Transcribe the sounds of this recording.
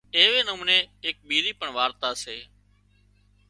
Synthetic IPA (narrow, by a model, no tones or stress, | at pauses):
eːʋeːnəmũːneːeːk̚ɓiːɾiːpəɳʋaːɾt̪aːseː